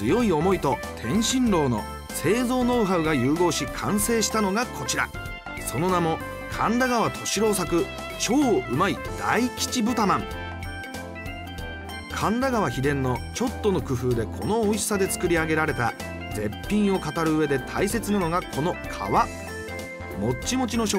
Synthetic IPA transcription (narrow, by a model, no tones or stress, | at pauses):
t͡sɨjo̞io̞mo̞it̪o̞ | t̪ʰẽ̞ɰ̃ɕĩnɾo̞ːno̞̰ | se̞ːzo̞ːno̞ɯɦaɯ̟ɡajɯːɡo̞ːɕikʰã̰ɰ̃se̞ːɕi̥t̪ano̞ɡakʰo̞t͡ɕiɾa̰ | so̞no̞namo̞ | kʰãnd̪aɡaβat̪ʰo̞ɕiɾo̞ːsakɯ̟ | t͡ɕo̞ːʔɯ̟maid̪̥a̰ikʲi̥t͡ɕibɯ̟t̪amãŋ | kʰãnd̪aɡaβ̞açid̪ẽ̞nːo̞t͡ɕo̞t̪ːo̞no̞kɯ̟ɸɯ̟ːd̪e̞kʰo̞no̞ːiɕsad̪e̞t͡sɨ̥kɯ̟ɾʲiaɡe̞ɾaɾe̞t̪a | d͡ze̞pʲːĩɰ̃o̞kat̪aɾɯ̟ɯe̞d̪e̞t̪ʰaise̞t͡sɨnano̞ɡakʰo̞no̞kʰa̰βa | mo̞t͡ɕːimo̞t͡ɕino̞ɕo